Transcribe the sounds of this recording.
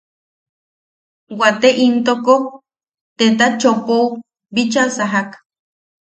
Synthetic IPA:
wat̪eʔint̪okok | t̪et̪̬at͡ʃopow | bit͡ʃasaɦak

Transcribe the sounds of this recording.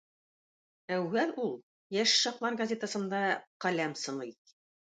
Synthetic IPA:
æwːælulˠ | jæʃːɒqlˠɑɾɡɐzʲet̪asɤ̆nd̪ɑqælæmsɤ̆nɤ

